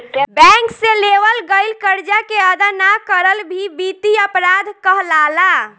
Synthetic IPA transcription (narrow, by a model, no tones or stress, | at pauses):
bɛ̃ŋkseleʋəlɡəɪlkəɾd͡ʒakeəd̪anakəɾəlbʱibit̪iəpɾad̪ʱkəɦlala